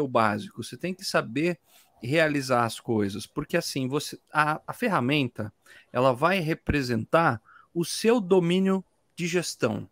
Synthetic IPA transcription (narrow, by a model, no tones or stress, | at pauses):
ewbazikʊset̪ẽj̃kɪ̥sabeɾ | healizaɾɐskojzɐspoɾkeasĩvoseɐːfeɦamẽnt̪ɐ | ɛ̰lɐvajɦepɾezẽnt̪aɾʊsewd̪omĩnjʊ | d͡ʒɪʒest̪ɐ̰̃w̃